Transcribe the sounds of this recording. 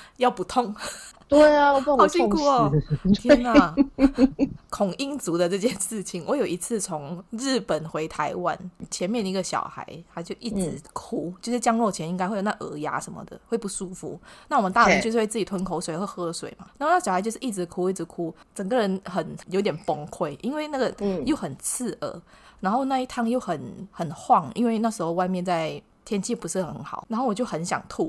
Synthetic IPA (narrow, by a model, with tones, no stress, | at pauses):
jɑ˥˨ʊpu˧˦t̪ʰo˥˨ŋ | t̪we˥˩ɪ˨˥˨ɔ˥˧i˥˧kʰu˥˨kʰna˩ | kʰʊ˨˩ŋi˦˥ŋt͡su˧˥d̪ə˨ʈ͡ʂɤ˥˧˩t͡ɕjɛ˥˧nʂɻ̩˥˩t͡ɕʰi˨˩nwɔ˧˦jo˨˩ʊi˧˥t͡sʰɹ̩˥˩t͡sʰo˧˦ŋɻ̩˥˩pə˨˩nxwe˧˥ɪt̪ʰa˧˥ɪwa̰˦nt͡ɕʰjɛ˧˦nmjɛ˥˩nd̪ə˩˧i˧ɡə˨˩ɕjɑ̰˨˩ʊxa̰˧˦ɪt̪ʰa˥t͡ɕjo˥˧ʊʔi˥˩t͡sɻ̩˧˦kʰu˥t͡ɕjo˥˧ʊʂɻ̩˥˩t͡ɕjɑ˥ŋlwɔ˥˩t͡ɕʰɛ˧ni˥ŋa˥ɪxe˥˩jna˥˩ʔə̰˧˥ja̰˧˥ʂə˧˦nmə̰˧˨d̪ə̰˨xwe˥˧ɪpu˥˩ʂu˥fṵ˧˦na˥˩wɔ˨˩mə˦nt̪a˥˩ɻə˧˦nt͡ɕo˥˧ʊʂ̩˥˧we˥˧t͡s̩˥˩t͡ɕi˨˩t̪ʰwə˧˦nkʰo˧˦ʊswe˨ɪə˥˧xɤ˥ə˧swḛ˨˩ɪma˦a˨˥o˥˧n˥˩ɕa˧˦jo˥˧ʊʂ̩˥˧i˥˩t͡sɻ̩˧˥kʰu˥i˥˩t͡sɻ̩˧˦˥kʰu˦t͡sə˨˩ŋɡə˧˦ɻə˧˦nxə˨˩njo˧˥ʊt̪jɛ˨˩npɔ˦ŋkʰwe˥˩ɪʔi˥nwe˥˧ɪna˥˩ɡə˨˩jo˥˩ʊxə˨˩nt͡s̩ʰ˥˩ʔə̰˧˦na˧˥nxo˥˧na˥˧i˥t̪ʰa˥˧ŋjo˥˩ʊxə˨˩nxə˨˩nxwɑ˥˨ŋḭ˥nwe˥˧ɪna˥˩ʂɻ̩˧˥xo˧ʊwa˥˧ɪmjɛ˥˧nt͡sa˥˧˩ɪ | t̪ʰjɛ˥nt͡ɕʰi˥˩pu˧˦ʂɻ̩˥˩xə˧˦nxɑ̰˨˦ʊɻa˨˧nxo˥˩wɔ˨˩t͡ɕjo˥˩ʊxə˧˥nɕjɑ̰˨˩ŋt̪ʰu˥˩